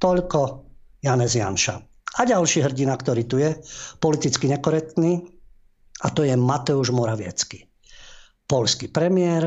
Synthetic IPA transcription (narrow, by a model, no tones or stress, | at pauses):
t̪ɔʎkɔjanɛzɪja̰nʃa̰ | aɟalʃiːɦr̩ɟinakt̪ɔɾiːt̪ujɛpɔlit̪it͡skiɲɛkɔɾɛk̚t̪niː | at̪ɔjɛmat̪ɛuʒmɔɾaʋɪɛ̰t͡ski | pɔʎskipɾɛmɪɛɾ